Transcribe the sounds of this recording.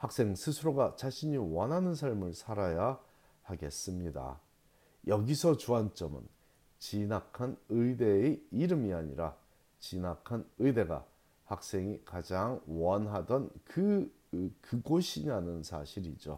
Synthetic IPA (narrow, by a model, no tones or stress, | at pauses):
hak̚s͈e̞ŋsʰɯsʰuɾoɡat͡ɕaɕʰiɲiwʌnɦanɯnsʰaɭmɯɭsʰaɾaja | haɡe̞s͈ɯmɲida̰ | jʌɡisʰʌt͡ɕuant͡ɕ͈ʌmɯ̰n | t͡ɕinakʰanɯideeiɾɯmiaɲḭɾa̰ | t͡ɕinakʰanɯjde̞ɡa̰ | hak̚s͈e̞ŋikad͡ʑaŋwʌnɦadʌnkɯ | kɯɡoɕʰinanɯnsʰa̰ɕʰiɾid͡ʑo̰